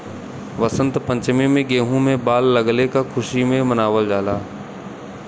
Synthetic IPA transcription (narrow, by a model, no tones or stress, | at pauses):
ʋəsə̃nt̪pə̃ɲt͡ʃmẽmẽɡeːɦũmẽbaːlːɐɡlekakʰʊʃimẽmənaːʋəld͡ʒaːlaː